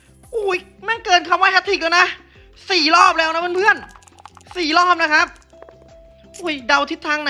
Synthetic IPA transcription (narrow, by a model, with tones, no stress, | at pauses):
ʔuː˧˩j | mɛ˧˥˩kɤː˧nkʰa˧waː˧˩ɛ˦˥t̪ʰːiː˨˩k̚lɛː˧wna˦˥ | siː˨˩lɔː˥˩p̚lɛː˦˥wna˦˥bɤ˧˥npʰɯ˥˩ən | siː˨˩lɔː˥˩p̚na˦˥kʰa˦˥p̚ | ʔuː˨˩jda˧wt̪ʰi˦˥t̪ʰːaː˧ŋna˧